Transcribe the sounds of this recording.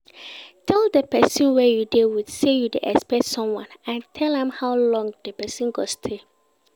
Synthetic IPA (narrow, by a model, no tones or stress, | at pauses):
tʰɛlˠdəpɛsĩnwɛjudewid̥sejudeʔɛspɛtsɔ̃mwɔ̃nãntʰɛlɛ̃mhawlɔ̃ŋdəpɛsĩnɡostʰe